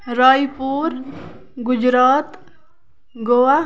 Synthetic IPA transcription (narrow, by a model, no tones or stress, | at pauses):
ɾaːjpuːɾ | ɡʊd͡ʒɾaːt̪ | ɡowa